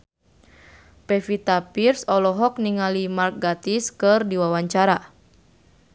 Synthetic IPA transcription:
pɛfit̪apirsɔlɔɦɔk̚niŋalimark̚ɡat̪iskɨrdiwawaɲt͡ʃaɾa

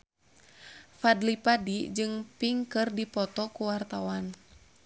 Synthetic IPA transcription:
fadlipadid͡ʒɨŋpiŋkɨrdipɔt̪ɔkuwart̪awan

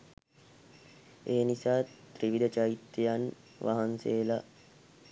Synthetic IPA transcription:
eːnisaːt̪ɾiʋid̪ət͡ʃaɾit̪ːejan | ʋa̰ɦanseːla

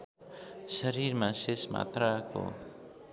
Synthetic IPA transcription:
sʌɾiɾmasesma̰t̪rako̰

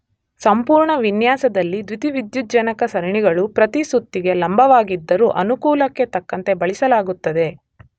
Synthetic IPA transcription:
sɐmpuːɾɳɐʋinjaːsɐd̪ɐlːid̪ʋit̪iʋid̪jud͡ʒɐnɐkɐsɐɾɐɳiɡɐɭupɾɐt̪isut̪ːiɡe̞lɐmbʱɐʋaːɡid̪ːɐɾuːʔɐnukuːlɐkːe̞t̪ɐkːɐnt̪e̞bɐɭisɐlaːɡut̪ːɐd̪e̞

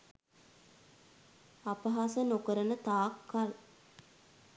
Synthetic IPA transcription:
apəɦasənokəɾənət̪aːkʰːal

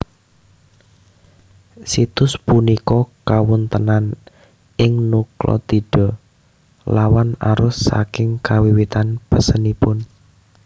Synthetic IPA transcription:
sit̪ʊspunikɔkawʊnt̪ənan | ɪŋnuklɔ̰t̪iɖ̥ɔ | lawana̰ɾʊsːa̰kɪŋkawiwit̪anpəsənipʊn

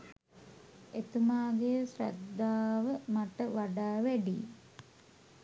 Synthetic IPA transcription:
et̪umaːɡejəsɾæ̰d̪ːaːʋəmaʈəʋaɖaːʋæɖḭː

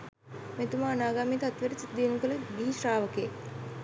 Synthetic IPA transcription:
met̪umaːnaːɡaːmiːt̪at̪ʋeɾisit̪d̪iːnukələɡiɦiʃraːʋəkeː

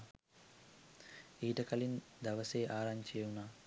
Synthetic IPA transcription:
iːʈəkɐlind̪ɐʋəseːʔaːɾaɲt͡ʃeuna

